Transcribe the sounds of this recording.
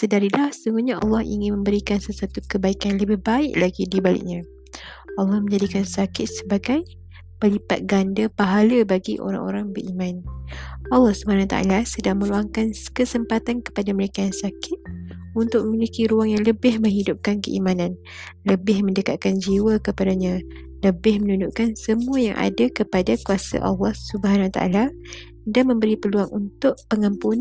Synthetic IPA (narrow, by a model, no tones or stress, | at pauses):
sədaɾilahsuŋɡuɲaʔɑ̰lːɑhḭŋɪnmə̃mbəɾikansəswat̪ukəbaikanləbɪhbaɪʔlaɡidibalɪ̰ʔ̚ɲã | ʔɑlːɑhmə̃ɲd͡ʒadikansakɪt̪̚səbaɡaj | pəlipa̰t̪̚ɡandapaɦaləbaɡiʔo̰ɾa̰ŋo̰ɾaŋbəɾimãn | ɑlːɑhsubahanawat̪aʔa̰lasədaŋmə̃luaŋkankəsəmpat̪ankə̥padaməɾekajaŋsakɪt̪̚unt̪ʊk̚məmilikiɾuaŋjaŋləbɪhmə̃ŋɦidʊp̚kankəʔimanãn | ləbɪhməndəkat̪̚kand͡ʒiwakəpadaɲã | ləbɪhmənund͡ʒuʔkansəmũaja̰ŋʔa̰dakəpadakuasa̰ʔɑ̰lːɑhsubəɦanwat̪a̰ʔa̰la | danmə̃mbəɾipəluaŋunt̪ʊʔpəŋəmpun